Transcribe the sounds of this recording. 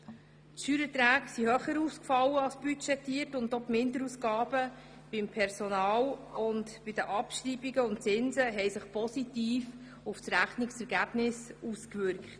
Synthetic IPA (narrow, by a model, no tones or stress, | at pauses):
tʃyɾətɾæːksihœχəɾuːskfɑlːəɑlsb̥yt͡ʃɛtːiːərtʊndopmɪnd̪əɾuskɑːb̥ə | b̥ɪmpʰɛɾsɔnɑːlʊndb̥ɪd̥̪əʔɑpʃriːbiɡəʊnt̚t͡sɪnzəɦɛjsəχpʰɔsitiːf | ʊfsɾæχniksɛɾɡæb̥nɪsuskvʏɾkχt